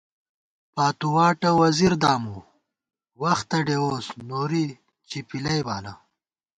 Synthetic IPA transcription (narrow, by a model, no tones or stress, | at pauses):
paːt̪uwaːʈɐwɐziɾd̪aːmu | wɐxt̪ɐɖewoːsnoːɾi | t͡ɕipilɐjbaːlɐ